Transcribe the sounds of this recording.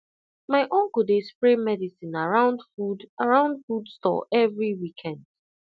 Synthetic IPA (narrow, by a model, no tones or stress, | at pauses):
maɪʔõnkudespɹemɛdisĩnaɹãʊ̃ndfudaɹãʊ̃ndfudstɔ̰ʔɛvɹiwikʰɛ̃nd̥̚